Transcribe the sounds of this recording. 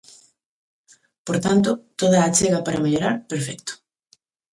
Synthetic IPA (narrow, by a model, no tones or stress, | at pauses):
poɾt̪ant̪̬ʊt̪oðaːt͡ʃeɣapaɾameʎoɾaɾpeɾfɛkt̪ʊ̥